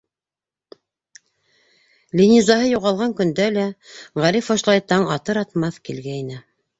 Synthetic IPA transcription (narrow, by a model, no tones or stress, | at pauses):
lʲinʲizɑhɤjuʁɑlˠʁɑŋkɵ̆nd̪ælæʁæɾifŏʃlˠɑjt̪ɑɴɑt̪ɤɾɑt̪mɑθkilɡæinɘ